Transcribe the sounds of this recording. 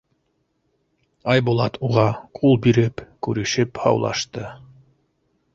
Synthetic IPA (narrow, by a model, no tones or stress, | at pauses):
ɑjbulˠɑt̪ʰuʁɑqʰulˠbiɾɘpkʉɾɘ̆ʃɘphɑ̰wlˠɑ̰ʃt̪ɤ